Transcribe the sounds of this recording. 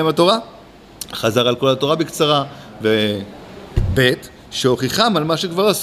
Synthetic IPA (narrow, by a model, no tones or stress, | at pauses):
mato̞ʁa | χazaʁalko̞lato̞ʁabekt͡saʁa | ve | be̞t | ʃeo̞χiχamalmaʃekvaʁas